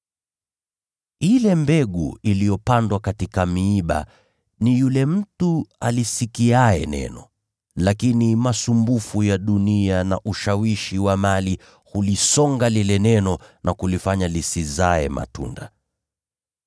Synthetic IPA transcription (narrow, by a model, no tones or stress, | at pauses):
ilɛmbɛɠṵilijɔpandwakatikamiːɓa̰ | nijulɛm̩tualisikiaɛnɛ̰nɔ | lakinimasumbufujaɗuniana̰ʔuʃawiʃiwamali | hulisɔŋɡalilɛnɛnɔnʔakulifaɲalisizaɛma̰tṵnda